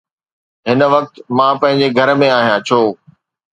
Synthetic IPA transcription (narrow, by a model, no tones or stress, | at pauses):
ɦɪnʋɐk̚t̪mãːpɐ̃ɦɪ̃ɲ̆d͡ʑeɡʱɐɾmẽaːɦijãt͡ɕʰoː